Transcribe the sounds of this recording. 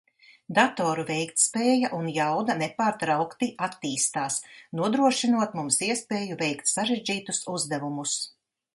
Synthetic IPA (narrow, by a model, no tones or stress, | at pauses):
d̪at̪oːɾuvɛjkt̪speːjaʔunjawd̪anɛpaːɾt̪ɾawkt̪iʔat̪ːiːst̪aːsnuɔd̪ɾuɔʃinuɔt̪mumsiɛspeːjuvɛjkt̪saɾeʒd͡ʒiːt̪usuzd̪ɛvumus